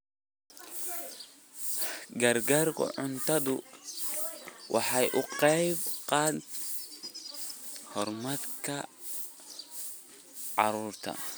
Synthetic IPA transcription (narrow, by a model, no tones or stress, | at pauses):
ɡɐrɡaːrkʰʊ̰ʕʊnt̪ʰɐðʊ | wʔɑħɑjʔʊqɛjbqɑːd̪ | hɔrmɐd̪kʰɐ | ʕɑ̰ɾuːrt̪ʰɐ̰